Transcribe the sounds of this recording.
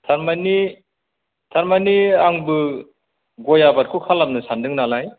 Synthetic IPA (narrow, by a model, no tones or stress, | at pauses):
tʰaɾmani | tʰaɾmaniaŋbɯ | ɡɔjabaɾ̚kʰukʰalamnɯsandɯŋnalaj